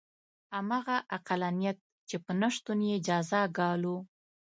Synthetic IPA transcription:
amɑɣaʔaqalanijat̪̚ | t͡ʃepənaʂt̪unjed͡ʒɑzaɡɑlu

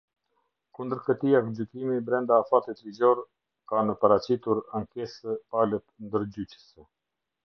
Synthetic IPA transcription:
kund̪əɾkət̪iakd͡ʑykimibɾɛnd̪aːfat̪it̪lizɔɾ | kanəpəɾat͡ɕit̪uɾaŋkɛsəpalət̪nd̪əɾd͡ʑyt͡ɕə̥sɛ

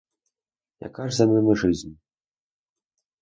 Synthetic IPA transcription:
ja̰kaʐzamʲɔmʲɨʐɨzʲnʲ

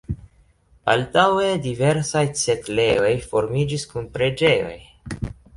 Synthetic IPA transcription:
a̰ltawedive̞ɾsajt͡se̞tle̞o̞jfo̞ɾmid͡ʒiskunpɾe̞d͡ʒe̞jo̞̰j

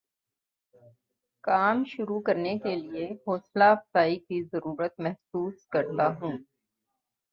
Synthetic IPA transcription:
kaːmʃʊɾukɐɾnekelieɦoːslaɐfsaːikizɐɾuːɾət̪̚mɛɦsuːskɐɾt̪aɦũː

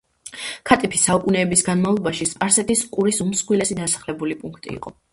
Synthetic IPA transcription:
kʰat̪ʼipʰisaukʼunɛːbisɡanmavlˠɔbaʃispʼaɾsɛt̪ʰʼiskʼuɾisumsχwilɛsid̪asḁχlɛbulipʼuŋkʰt̪ʼḭːqʼɔ

